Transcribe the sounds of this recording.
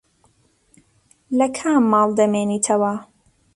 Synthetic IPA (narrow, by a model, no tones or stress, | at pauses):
lɐkʰaːmːɑːlˠd̪ɐmeːniːt̪ʰɐwɐ